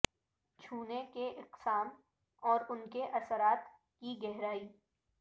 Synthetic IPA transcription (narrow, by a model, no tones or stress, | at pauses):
t͡ʃʰuːnekeʔɪqsaːm | ɔːɾʊnkeʔɐsəɾaːt̪ | kiɡɛɦɾaːiː